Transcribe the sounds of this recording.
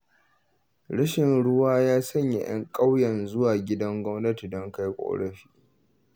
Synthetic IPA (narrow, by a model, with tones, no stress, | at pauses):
ɽɐ˦ʃɪ˨nɽʊ˦waː˦jaː˦sɐ˦ɲja̰˨j̰ɐ̰˦ŋkʼa˦wjɛ˨nzʊ˦waː˨ɡʲɪ˦dɐ˦ŋɡʷɔ˦mnɐ˦ti˨dɔ˦ŋka˦jkʷʼo̰ː˨ɽɐ˦ɸi̥ː˦